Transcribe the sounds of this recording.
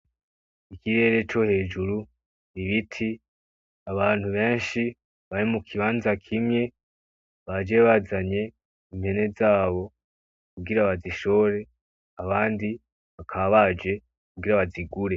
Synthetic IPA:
ikiɾe̞ːɾe̞t͡ʃo̞he̞ːd͡ʒuɾu | niβitʰi | aβaːn̥huβe̞ːnʃi | βaɾimukʰiβaːnzakʰimŋe̞ | βad͡ʒe̞βazaɲe̞ | im̥he̞ne̞zaːβo̞ | kuɡiɾaβaziʃo̞ɾe̞ | aβaːndi | βakʰaβad͡ʒe̞ | kuɡiɾaβaziɡuɾe̞

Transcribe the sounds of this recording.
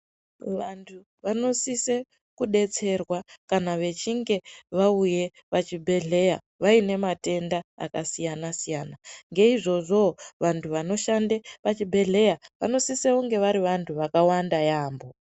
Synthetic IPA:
ʋantʰu | ʋano̞sise̞ | kuɗe̞t͡se̞rwakanaʋe̞t͡ʃiŋɡe̞ʋauje̞ | ʋat͡ʃibʱe̞ɮe̞ja̰ | ʋaine̞mate̞ndaa̰kasijanasijaːnaŋɡe̞iʐo̞ʐo̞ʋantʰuʋano̞ʃandeʋat͡ʃibʱe̞ɮe̞jaʋa̰no̞siseuŋɡe̞ʋaɾiʋantʰuʋakawandajaːmbo̞

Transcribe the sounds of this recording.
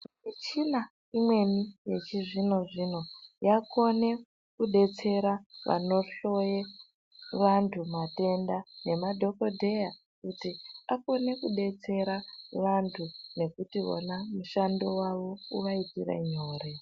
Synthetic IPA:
it͡ʃina | imwe̞nije̞t͡ʃiʐino̞ʐino̞jako̞ne̞ | kuɗe̞t͡se̞ɾaʋʔa̰no̞ɬo̞je | ʋantʰumate̞ndane̞madʱo̞kodʱe̞ja | kutiako̞ne̞kuɗe̞t͡se̞ɾaʋantʰune̞kutio̰namuʃando̞waʋo̞uʋaitiɾa̰ɲoːre

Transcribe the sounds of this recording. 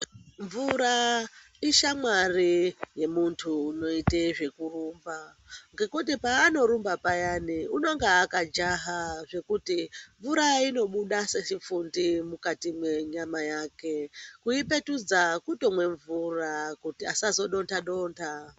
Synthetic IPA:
ɱvuɾa | iʃamwarije̞muntʰuːno̞iteʐe̞kurumba | ŋɡe̞kutipaːno̞ɾumbapajaniuno̞ŋɡeakad͡ʒaɦaʐe̞kutiɱvuɾaino̞ɓuɗaseʃifundimukatimwe̞ɲamajaːke̞kuipe̞tud͡zakutomwe̞ɱvurakutiasazo̞ɗo̞ntʰaɗo̞ːntʰa

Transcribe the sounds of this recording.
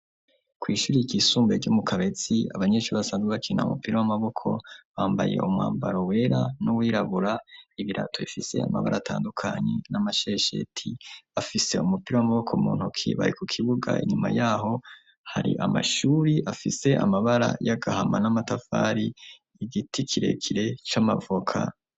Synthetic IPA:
kwiːʃuɾiiɡisuːmbeɟumukʰaβe̞t͡siaβaɲe̞ːʃuɾβasaːnziβat͡ʃina̰umupiɾowamaβo̞kʰo̞̰βaːmbaje̞̰umŋa̰ːmbaɾo̞we̞ːɾanuwiːɾaβuɾaiβiɾa̰tʰoβifise̞̰a̰ma̰βa̰ɾʔaːtʰaːndukʰaɲe̞namaʃe̞ʃḛtʰiafise̞̰umupiɾowamaβo̞kʰomṵːn̥hukʰḭβaɾikukʰiβuɡa̰ḭɲuma̰jaɦo̞ | haɾḭʔamaʃuːɾiʔafise̞ʔamaβaɾa̰jaɡahamanamatafaɾiː | ɡitʰikʰiɾe̞̰kʰiɾe̞t͡ʃamavokʰa̰

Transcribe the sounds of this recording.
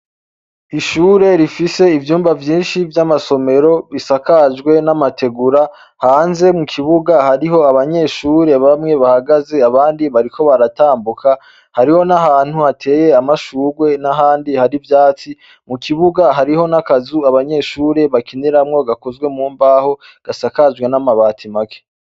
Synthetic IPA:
iʃuːɾe̞ɾifise̞ivjuːmvavjiːnʃivjamaso̞me̞ɾo̞βisakaʒɡwe̞namatʰe̞ɡuɾa | haːnze̞mukʰiβuɡahaɾiɦo̞aβaɲe̞ʃuːɾe̞βamŋe̞βahaɡaze̞aβaːndiβaɾiko̞βaɾataːmbukʰa | haɾiho̞naɦaːn̥huhatʰe̞ːje̞amaʃuːɾwe̞naɦaːndihaɾivjaːt͡si | mukiβuɡaɦaɾiho̞nakazuaβaɲe̞ːʃuːɾe̞βakiniɾamŋo̞ɡakozɡwe̞muːmbaho̞ | ɡ̥asakaʒɡwe̞namaβaːtʰimake̥

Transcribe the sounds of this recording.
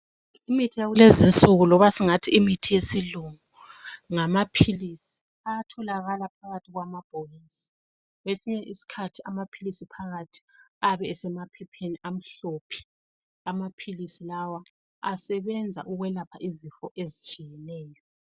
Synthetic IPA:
imitʰijaɣulezinsʼuɣulɔβasiŋatʰiimitʰijesiluŋu | ŋamapʰilisi̥ | aatʰɔlaɣalapʰaɣatʰiɣwamab̥ʱɔjisi̥ | wesiɲɛʔisi̥kʰatʰiamapʰilisipʰaɣatʰi̥aβɛɛsɛmapʰɛpʰeniʔam̩ɬopʰi̥ | amapʰilisilawa | a̰sɛβɛnd͡zʱa̰ʔuɣwɛlapʰaʔizifɔʔezit͡ʃʼijɛnɛːjɔ

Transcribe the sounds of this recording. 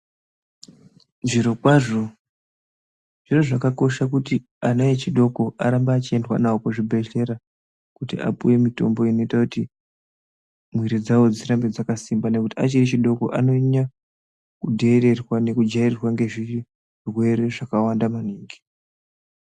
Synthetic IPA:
ʐiɾo̞kwaʐo̞ | ʐ̥iro̞ʐakako̞ʃak̬uti | anojet͡ʃiɗo̞ko̞ʔaɾambaːt͡ʃie̞ndwa̰naokoʐibʱe̞ʃe̞ɾa | kutḭʔa̰puje̞mito̞̰mbo̞ino̞itakuti | mwiɾid͡zawo̞d͡ziɾambed͡zakasimbane̞kutiat͡ʃirit͡ʃiɗo̞ko̰ʔano̞ɲa | kudʱeːɾe̞rwane̞kud͡ʒaererwaŋɡe̞ʐi | rwe̞ɾe̞ʐakawandamaniːŋɡi̥

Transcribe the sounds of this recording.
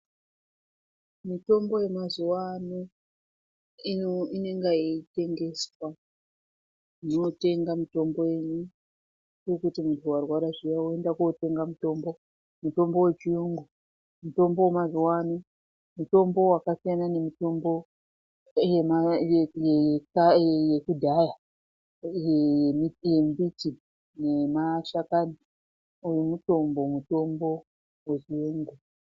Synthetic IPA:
mito̞mbo̞je̞mazuwano | iine̞ŋɡaite̞ŋɡe̞swa | ino̞te̞ŋɡamito̞mbo̞e̞ɲu | trekutimuntʰuwarwaɾaʐijaue̞ndakuote̞ŋɡamito̞mbo̞ | muto̞mbo̞we̞t͡ʃiuŋɡu | muto̞mbo̞womaziwani | muto̞mbo̞wakasijanane̞mito̞mbo̞ | jemajkajekudʱaja | jijembiti | ne̞maʃakani | ujumuto̞mbo̞muto̞mbo̞ | wet͡ʃiuŋɡu

